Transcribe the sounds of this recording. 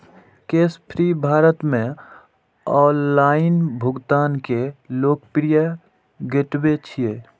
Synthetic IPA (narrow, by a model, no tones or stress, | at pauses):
keːspʰɾibʱaːɾət̪mẽ | ɔːnlaːɪnbʱʊɡt̪aːnkeloːk̚pɪɾijə | ɡeʈbet͡ʃʰieː